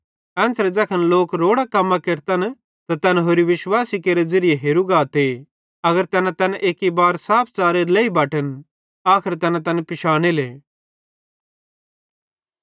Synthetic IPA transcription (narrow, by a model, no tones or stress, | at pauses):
ɛ̃ːnsɾɛd͡zɐkʰənloːkɾoːɽakɐmːãkeɾt̪ɐn | t̪at̪ɛnɦoːɾiʋɪʃwaːsikeːɾed͡zɐɾijeɦeːɾuɡaːt̪e | ɐɡəɾt̪ɛnɛ̃t̪ɛnʔeːkibaːɾsaːp̚ʰt͡saːɾelɛːibaːʈən | aːkʰɪɾt̪ɛnãt̪ɐnpɪʃaːɽ̃eleː